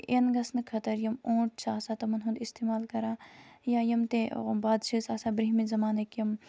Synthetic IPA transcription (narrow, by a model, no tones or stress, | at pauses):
enɡɐsnɨkʰɐt̪ɐɾjɐmõːʈ̚saːsaːt̪ɐmɐnɦũnd̪ist̪eːmaːlkɐɾaːjajɐmt̪ebaːd̪ʃisaːsabɾiɦmizɐmaːnɐkjɐm